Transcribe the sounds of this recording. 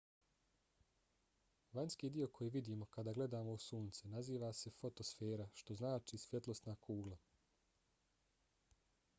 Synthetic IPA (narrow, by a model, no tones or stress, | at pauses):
ʋaɲskiːd̪io̞kʰo̞jiʋid̪iːmo̞kad̪aːɡle̞d̪aːmo̞usuːnt̪senaziːʋase̞fo̞t̪o̞sfeːɾaʃt̪o̞znaːt͡ʃisʋjet̪lˠo̞st̪naːkʰuːɡlˠa